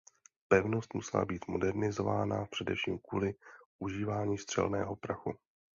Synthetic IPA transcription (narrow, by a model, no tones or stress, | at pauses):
pɛvno̞st̪musɛla̰biːt̪mo̞dɛɾnɪzo̞va̰ːnapr̝̥ɛdɛfʃiːmkvuːlɪʔuʒiːvaːɲiːst̪r̥ɛ̰lnɛ̰ːɦo̞pɾaxu